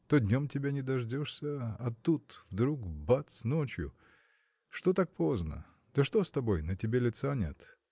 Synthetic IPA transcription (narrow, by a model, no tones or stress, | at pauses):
t̪odʲnʲomtʲɪbʲenʲɪd̪ɐʐdʲoʂsʲəɐt̪ːut̪vd̪ɾukbat̪snot͡ɕjʊ̰ | ʂt̪ot̪ak̚po̞znə̰ | d̪̥əʂt̪ost̪ɐbo̞jnətʲɪbʲelʲɪt̪sanʲet̪